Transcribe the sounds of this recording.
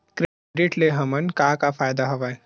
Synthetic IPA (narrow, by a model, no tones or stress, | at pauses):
kɾe | ɖɪʈleɦɐmənkãːkafʰaːjd̪aɦoʋaː